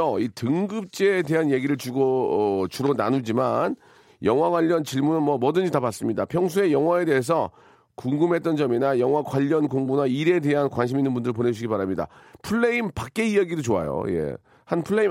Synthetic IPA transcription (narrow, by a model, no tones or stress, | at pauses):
oitɯŋɡɯp̚t͡ɕ͈eːde̞ɦanje̞ɡiɾɯɭt͡ɕuɡot͡ɕuɾonanud͡ʑiman | jʌŋwaɡwaʎːʌnt͡ɕiɭmunɯnmwʌmʌdɯɲd͡ʑitabas͈ɯmɲida̰pʰjʌŋs̬ʰue̞jʌŋwae̞de̞es̬ʰʌ | kuŋɡɯmɦe̞t͈̚ʌnd͡ʑʌminajʌŋwakwaʎːʌnkoŋbunaiɾe̞de̞ɦankwanɕ̬ʰiminːɯnbundɯɾɭp̬one̞d͡ʑuɕʰiɡipaɾamɲida̰pʰuɭːeimpak͈̚e̞ijaɡidot͡ɕoa̰jo̰je̞̰ | hanpʰuɭːei